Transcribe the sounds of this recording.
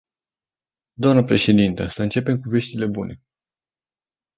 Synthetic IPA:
d̪oamnəpɾe̞ʃe̞d̪int̪əsəɨnt͡ʃe̞pe̞mkuve̞ʃt̪ile̞bunʔe̞

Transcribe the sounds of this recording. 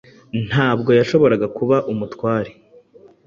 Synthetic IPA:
n̥haːb̚ɡo̞jaʃo̞βo̞ɾaɡakuβaʔumutwaːɾe

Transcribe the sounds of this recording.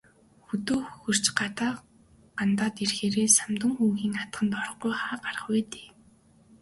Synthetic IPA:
xɵt̪oːxxɵ̆r̥t͡ɕɢat̪aː | ɢant̪aːt̪irxeːɾeːsamt̪ə̆ŋxuŋxiːŋat̪ɢə̆nt̪ɔr̆χujχaːɢaɾə̆χwæːt̪e̥ː

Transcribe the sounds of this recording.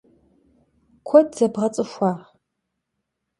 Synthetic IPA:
kʷʰɔdz̥ɐbʁɐt͡sʼɨʃʷaːʁ

